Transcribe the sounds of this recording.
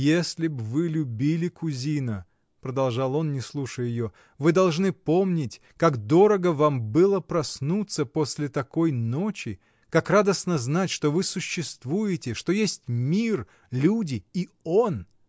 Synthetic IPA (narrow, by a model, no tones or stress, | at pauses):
jesʲlʲɪbvɨlʲʊbʲilʲɪkʊzʲinə | pɾəd̪ɐlˠʐɑlˠo̞nnʲɪslˠuʂəjɪjo | vɨd̪ɐlˠʐnɨpo̞mnʲɪtʲ | kaɡd̪o̞ɾəɡəvambɨlˠəpɾɐsnut̪səpo̞sʲlʲɪt̪ɐko̞jno̞t͡ɕɪ | kakrad̪əsnəznatʲʂt̪o̞vɨsʊɕːɪst̪vujɪtʲɪʂt̪o̞jesʲtʲmʲir | lʲudʲɪio̞n